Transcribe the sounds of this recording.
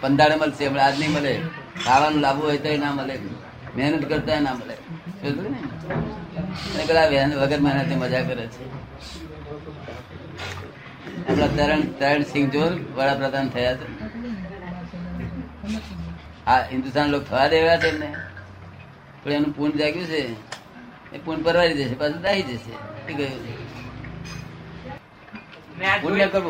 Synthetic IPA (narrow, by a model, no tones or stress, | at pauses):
pənd̪ʱaɽeməlseəmɳead̪niməlek̪aʋanũlaʋũɦojt̪oenaməle | menəʈ̪kəɾt̪oenaməlḛsod̪uin | mənekəlaʋenʋəɡəɾmɛnət̪iməd͡ʒakəɾet͡ʃʰe | əmɳat̪əɾəɳt̪əɾəɳsĩŋɡd͡ʒonʋəɭapɾəd̪ant̪ʰəjatʰe | aɦɪnd̪ust̪anlok̚t̪ʰəʋad̪eʋeɭat̪emne | pəɽanũpund͡ʒaɡjũt͡ʃʰe | ḛpuɳpəɾʋaɾid͡ʒet͡ʃʰepasʰũd̪aɦid͡ʒeʃḛt̪ikəjũt͡ʃʰe | punːekəɾ